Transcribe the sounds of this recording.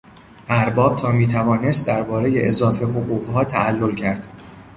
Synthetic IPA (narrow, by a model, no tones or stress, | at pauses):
ʔæɾbɒːb̥̚t̪ʰɒːmiːt̪ʰævɒːne̞st̪̚d̪æɾbɒːɾeje̞̰ʔezɒːfe̞ɦoɣuːɣɦɒːt̪ʰæʔælːolcʰæɾd̪̥